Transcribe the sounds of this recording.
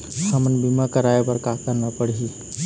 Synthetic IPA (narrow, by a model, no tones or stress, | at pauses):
samənbimakəɾaepəɾkakəɾnapəɽi